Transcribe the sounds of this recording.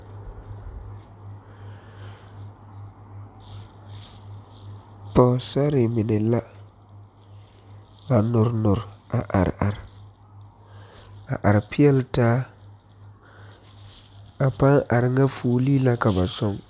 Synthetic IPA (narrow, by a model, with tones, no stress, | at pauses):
pɔ˨sa˦ɾɪ˨mɪ˨nɛ˨la˦ | ba˨nʊ˨ɾnʊ˨ɾa˨ʔa̰˨ɾ̰a˨ɾɪ˨ | a˨ʔa˨ɾɪ˨pɪ˦ɛ˦ltaː˦ | a˨pa˦ŋʔa˨ɾɪ˨ŋa˦fuː˨˦li˦la˦ka˨ba˨sɔ˦ŋ